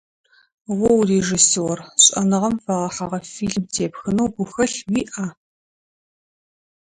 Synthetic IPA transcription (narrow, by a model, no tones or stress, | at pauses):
wɔwreʒisorɕʼɐnɨʁɐmfɐʁɐħaʁɐfiːɮmtʰeːpxɨnɐwɡʷʊxɐɬwiːʔɐ